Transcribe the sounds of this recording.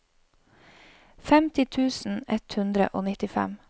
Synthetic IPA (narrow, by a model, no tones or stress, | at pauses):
fɛmt̪ɪt̪ʰʉːsn̩ɛt̪hʉnd̪ɾə̰ʔoːnɪt̪ɪfɛ̰m